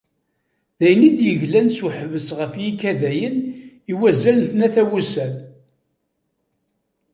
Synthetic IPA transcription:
ðæjənid̪jəʝlænsuħəvəsʁəfjikæðæjəniwæzælθnæθæwusæl

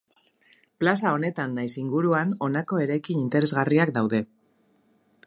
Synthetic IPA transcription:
plasao̞ne̞t̪anːajsiŋɡuɾuano̞nako̞e̞ɾajkinint̪e̞ɾe̞zɣariak̚d̪awðe̞

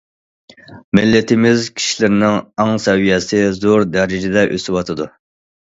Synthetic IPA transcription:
mɪlːɪt̪ʰɪmɪzkʲʰi̥ʃilɪɾɪnɪŋɑŋsɛwijɛsɪzoɾd̪ɛɾɪd͡ʒɪd̪ɛʔø̰sɪwɑt̪ʰɨd̪u

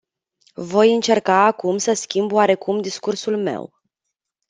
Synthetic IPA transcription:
vo̞jɨnt͡ʃe̞rkaːkumsəskʲimboaɾe̞kumd̪iskursulme̞̰w

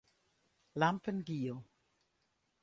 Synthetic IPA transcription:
lampənɡiːo

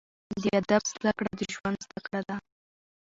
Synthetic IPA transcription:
d̪əad̪abz̥d̪akɽad̪əʒwand̪zd̪akɽad̪a

